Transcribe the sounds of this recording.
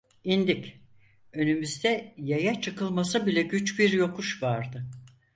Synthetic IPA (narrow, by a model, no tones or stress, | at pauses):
ind̪icʲ | ø̞nymyzd̪ɛjajat͡ʃʰɯkɯlˠmasabilʲɛɟyt͡ʃbiɾjo̞kʰuʃvaɾd̪ɯ